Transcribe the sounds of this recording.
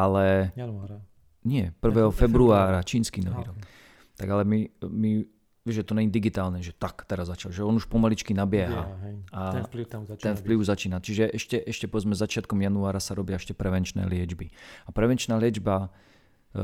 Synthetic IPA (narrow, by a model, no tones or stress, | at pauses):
alɛ | ɲɪɛpr̩ʋɛːɦɔfɛbɾuaːɾat͡ʃiːnskinɔʋḭːɾɔk | t̪aɡalɛmimi | ʋɪɛʒʒɛt̪ɔɲɛɲid̪iɡit̪aːlnɛʒɛt̪akt̪ɛɾazːat͡ʃalʒɛɔnuʃpɔmalit͡ʃkinabɪɛɦa̰at̪ɛnfppliʊuzat͡ʃiːnat͡ʃiʒɛʔɛʃcɛʔɛʃcɛpɔʋɛd͡zmɛzat͡ʃɪat̪̚kɔmjanuaːɾasaɾɔbɪaɛʃcɛpɾɛʋɛnt͡ʃnɛ̰ːlɪɛd͡ʒbiapɾɛʋɛnt͡ʃnaːlɪɛd͡ʒba